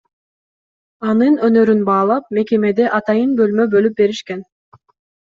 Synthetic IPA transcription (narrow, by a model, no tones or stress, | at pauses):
ɑnɯnønøɾynbɑːlˠɑp̚me̞ke̞me̞d̪e̞ʔɑt̪ɑjɯnbø̞lmø̞bø̞lyp̚be̞ɾiʃken